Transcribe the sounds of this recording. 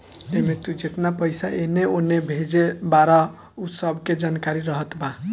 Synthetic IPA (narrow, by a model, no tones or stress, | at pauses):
emet̪ud͡ʒet̪napəjsaʔeneonebʱed͡ʒebaɾa | usəbʱked͡ʒankaɾiɾəɦət̪ba